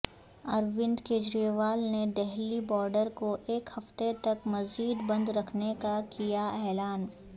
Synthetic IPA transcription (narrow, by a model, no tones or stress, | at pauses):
ɐɾʋɪ̃nd̪keːd͡ʒɾijeʋaːlned̪ɛɦlibɔːɾɖəɾkoʔeːkhɐft̪et̪ɐkmɐziːd̪bɐ̃nd̪ɾɐkʰnekakijaɛːlaːn